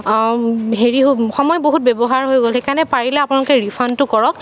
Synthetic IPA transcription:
ɦeɹiɦoxɔmɔjɔboɦut̚bebɔɦaɹɦojɡolxekanɛpaɹilɛapʊnalʊkɛɹipʰantʊkɔɹɔk̚

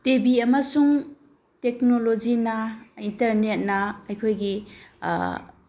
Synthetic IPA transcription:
tebiɐmɐsuŋ | tek̚nolod͡ʒinɐintɐɾnet̚nɐɐjkʰojɡḭ

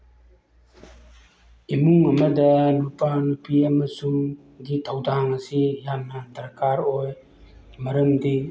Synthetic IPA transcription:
imuŋɐmɐdɐnupanupiɐmɐsuŋ | ɡitʰawdaŋɐsijanːɐdɐɾkaɾoj | mɐɾəmdi

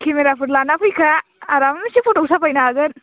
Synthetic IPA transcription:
kʰemeɾapɯɾlanapʰɯjkʰaːɾammisipʰoʈɔsapajnaːɡɯn

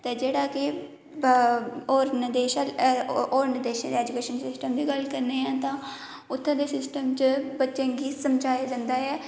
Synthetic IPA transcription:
t̪eːd͡ʒeːɽaːkɪ | oːɾnəd̪eːʃaːlː | ɾnəd̪eːʃãːd̪eɛːd͡ʒʊkeːʃənsɪsʈəmd̪iːɡəlkəɾneːãːt̪ãː | ʊt̪ʰːãːd̪eːsɪsʈəmt͡ʃəbətːt͡ʃẽːŋɡiːsəmd͡ʒaːjaːd͡ʒand̪aːɛː

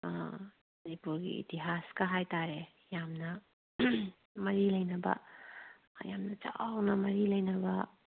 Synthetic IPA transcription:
mɐnipuɾɡḭḭtiɦaskaɦajtaɾe | jamnɐ | mɐɾilɐjnɐbɐ̰ | jamnɐt͡ʃa̰wnɐmɐɾilɐjnɐbɐ

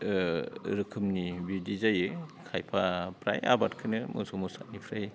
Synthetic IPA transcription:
ɾɯkʰɯmnibidizajɯkʰajpʰapɾa̰ja̰batkʰɯnɯmɯ̰somusa̰t̚nipʰɾaj

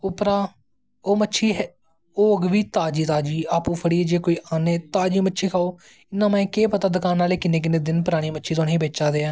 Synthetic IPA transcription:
ʊpɾaː | oːmətːʃʰiːɦɛ | oːɡʋiːt̪aːd͡ʒiːt̪aːd͡ʒiːaːpũːpʰəɽiːd͡ʒeːkoːiːʔaːnẽːt̪aːd͡ʒiːmətːʃʰiːkʰaːoː | ɪnːãːmɛ̃ːkeːpət̪aːd̪əkaːnaːleːkɪnẽːk̬ɪnẽːd̪ɪnpʊɾaːɽ̃iːmətːʃʰiːt̪ʰoːnĩːbeːt͡ʃaːd̪eːaː

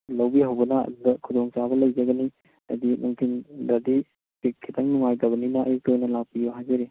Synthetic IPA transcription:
lɐwbiɦɐwbɐnɐɐ̰d̪udɐkʰudɔŋt͡ʃabɐlɐjd͡ʒɐɡɐni | ɐ̰dimuŋkʰindadi | pik̚kʰːitaŋnuŋajtɐbɐninɐːjiktojnɐlawpiuɦajzɐɾi

